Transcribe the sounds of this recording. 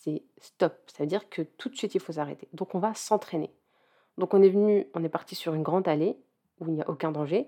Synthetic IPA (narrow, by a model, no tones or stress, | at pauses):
sɛ | st̪ɔp̚savød̪iʁkʰət̪ʰut̪sɥit̪ilfos̬aʁḛt̪e̥d̪ɔ̃kɔ̃vasɑ̃t̪χenḛ | d̪ɔ̃kɔ̃nɛvnyɔ̃nɛpaʁt̪isyʁynɡʁɑ̃d̪ale | uilnia̰ʔokʲɛ̃d̪ɑ̃ʒe